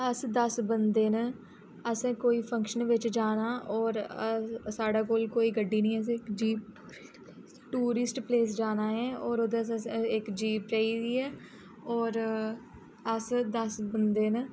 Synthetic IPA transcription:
əsd̪əsbənd̪eːn | əsẽːkoːiːpʰə̃ŋkʃənʋɪt͡ʃd͡ʒaːnaːʔɔːɾəsaːɖaːkoːlkoːiːɡəɖːiːnĩːəs̬ɪkd͡ʒiːb | ʈuːɾɪsʈpleːs̬d͡ʒaːnaːɦɛ̃ːɔːɾod̪ẽɪkd͡ʒiːbt͡ʃaːiːd̪iːɛː | ɔːɾ | əsd̪əsbənd̪eːn

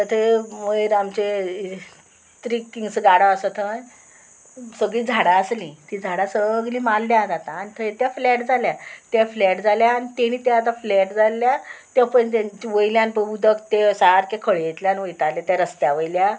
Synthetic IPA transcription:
t̪ət̪ʰeməiɾamt͡ɕe | t̪ɾiiŋɡsəɡaɽaəsət̪ʰən | səɡɭiːd͡zʱaɽaəslĩt̪id͡zʱaɽasəɡliːmalːjad͡zat̪aːnit̪ʰət̪jaflɛʈd͡zaljat̪jaflɛʈd͡zaljaːñit̪eñiːt̪aat̪aflɛʈd͡zalːjat̪japəɳt̪at͡ɕiʋəjiljãnpəud̪əkt̪esaɦaɾkekʰəɭet̪ljanʋəjt̪alet̪jaɾəst̪jaʋəjlja

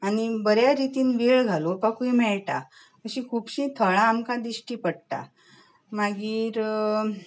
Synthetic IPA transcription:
aɽ̃ibəɾjaɾit̪iːnʋiɭɡʱalopakuimɛɭʈa | əɕĩkʰuːpɕĩːt̪ʰəɭãːmkãd̪iɕʈiːpəɽt̪a̰ | maɡiːɾ

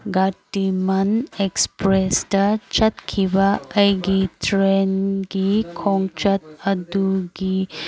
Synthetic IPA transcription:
ɡatimɐnekspɾestɐt͡ʃɐt̪kʰibɐɐjɡitʰɾenɡikʰɔŋt͡ʃɐt̪̚ɐd̪uɡi

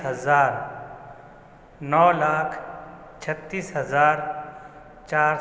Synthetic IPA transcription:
ɦəzaːɾ | nɔːlaːkʰ | t͡ʃʰət̪ːiːsɦəzaːɾ | t͡ʃaːɾ

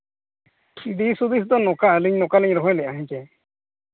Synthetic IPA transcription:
iɖisud̪is̬t̪ɔnɔkaəliɲnɔkaliɲɾɔɦɔjlɛaɦĩɲkɛ

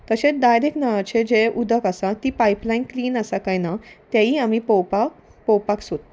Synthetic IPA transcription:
t̪əɕẽt͡sd̪ajd̪eknaʋat͡ɕed͡ʑeʔud̪ʱəkasat̪iːpajplajnkliːnasakajnat̪jaiːamipɔwpak | pɔwpaksot̪

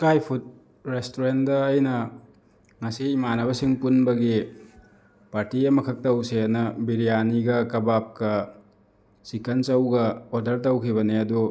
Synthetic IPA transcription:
kajpʰut̚ | ɾestoɾentdɐːjnɐ | ŋɐsiːmanɐβɐsiŋpunbɐɡi | paɾtiɐmɐkʰɐk̚tɐwsenɐbiɾijaniɡɐkɐbap̚kɐ | sikɐnt͡ʃɐwɡɐodɐɾtɐwkʰibɐneɐdu

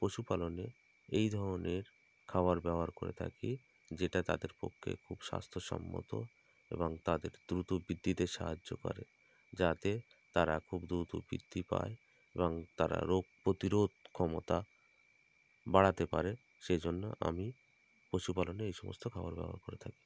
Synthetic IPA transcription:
pɾoʃupalone | ejd̪ʱɔɾoneɾ | kʰabaɾbɛboaɾkoɾḛt̪ʰa̰ki | d͡ʑeʈat̪a̰d̪eɾpo̰kʰːḛkʰubʃa̰st̪ʰoʃɔ̰mːo̰t̪o̰ | ḛboŋt̪ad̪eɾd̪ɾut̪obid̪ʱːit̪eʃaɦad͡ʑːo̰kɔ̰ɾe | d͡ʑat̪e | t̪aɾakʰubd̪ɾut̪obḭd̪ʱːipa̰e | eboŋt̪aɾa̰ɾoɡ̚pɾot̪iɾod̪̚ʱkʰɔmot̪a | baɽat̪epaɾe | ʃed͡ʑonːoʔa̰mi | pɾoʃupaloneejʃɔmo̰st̪ʰokʰabaɾbɛ̰boɦa̰ɾkoɾet̪ʰaki̥

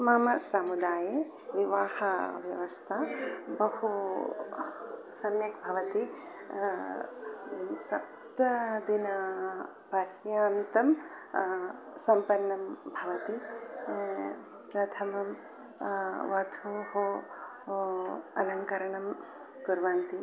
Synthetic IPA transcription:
mɐmɐsɐmud̪aːje | ʋiʋaːhɐʋjɐʋɐst̪ʰɐbɐhu | sɐmjɐkbʱɐʋɐt̪i | sɐ | t̪ɐd̪inɐ | pɐɾjaːnt̪ɐm | sɐmpɐɾnːɐmbʱɐʋɐt̪i | pɾɐt̪ʰɐmɐm | ʋɐd̪ʱuɦo | ɐlɐŋkɐɾɐɳɐm | kuɾʋɐnt̪i

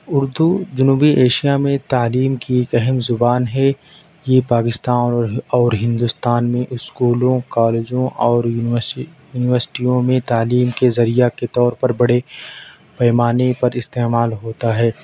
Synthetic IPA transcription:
ʊɾd̪ud͡ʒʊnuːbiʔeːʃijamẽt̪aːliːmkieːkɛɦɛmzʊbaːnɦɛ | jepaːkɪst̪aːnɔːɾɦɪ̃nd̪ʊst̪aːnmẽʔʊskuːlõkaːleːd͡ʒõʔɔːɾ | juːnɪʋəɾsɪ̥ʈijõmẽt̪aːliːmkezɐɾijaket̪ɔːɾpɐɾbɐɽe | pɛːmaːnepɐɾɪst̪eːmaːlɦoːt̪aɦɛː

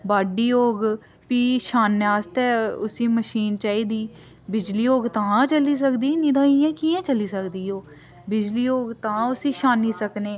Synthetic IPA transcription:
baːɖiːoːɡ | piːʃaːnːjaːst̪ɛːʊsĩːməʃiːnt͡ʃaːiːd̪iː | bɪd͡ʒliːoːɡt̪ãːt͡ʃəliːs̬əkd̪iːnid̪ãːijãːkiːẽːt͡ʃəliːsəkd̪iːoː | bɪd͡ʒliːoːɡt̪ãːʊsiːʃaːnːiːsəkneː

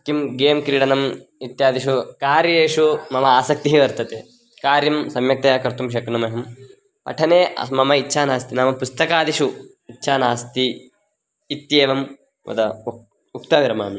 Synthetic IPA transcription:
kjimɡeːmkɾiːɽɐnɐmit̪jaːd̪iʃukaːɾjɐjeːʂumɐmɐaːsɐk̚t̪iɦiʋɐɾt̪ɐt̪eː | kaːɾjɐmsɐmjɐk̚t̪ɐjakɐɾt̪umʃ̬ɐkɾɐnɐmeɦɐm | pɐ̰ʈʰɐneːɐ̰mɐmɐitːʃʰaːnaːst̪inaːmɐpust̪ɐkaːd̪iʃu | itːʃʰaːnaːst̪iː | t̪jeːʋɐm | ʋɐ̰d̪ɐ | ukt̪ɐːʋiɾɐmaːmi

